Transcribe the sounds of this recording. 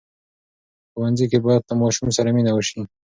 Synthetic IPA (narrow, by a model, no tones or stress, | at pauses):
xuwanzikebɑjad̪̚t̪amɑʃumsaɾaminawəʃi